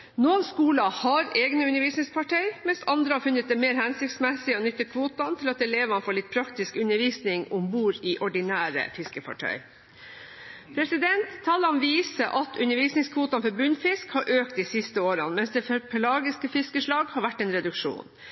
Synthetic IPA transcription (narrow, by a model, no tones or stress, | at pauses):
noːnskuːlɑhɑɾeːɡnəʉnəɾʋiːsnɪŋspʰɑʈʰɛɪmɛnsɑnd̪ɾəhɑɾfʉnːət̪̚d̪ɛmeːɾhænsɪkt̪smɛsɪəɔnʏt̪ːəkʰʋuːt̪ɑnt̪ʰɪlɑt̪ɛleːʋəɑnfoːɭɪt̪̚pʰɾɑkt̪ɪskʉnːəɾʋiːsnɪŋʊmbuːɾɪʔɔɖɪnæːɾə̰fɪskəfɑ̰ʈʰœ̰ʏ | pʰɾɛsɪd̪ɛnt̪ʰːɑːlɑnʋiːsəʔɑt̪ʰʉnːəɾʋiːsnɪŋskʰʋuːt̪ɑnfɔɾbʉnfɪskhɑɾʔøːkt̪isɪst̪əoːɾənmɛnsd̪ɛːfpʰɛlɑːɡɪskəfɪskəʂɭɑːɡhɑɾʋæʈːɛnɾɛd̪ʉkʂṵːn